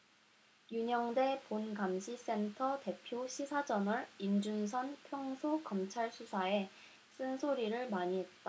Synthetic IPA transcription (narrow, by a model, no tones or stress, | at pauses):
juɲʌŋde̞ponɡamɕʰis͈e̞ntʰʌte̞pʰjoɕʰisʰad͡ʑʌnɯɾimd͡ʑuns̬ʰʌnpʰjʌŋsʰokʌmt͡ɕʰaɭsʰusʰae̞ | s͈ɯnsʰoɾiɾɯɭmaɲiɦe̞t̚t͈a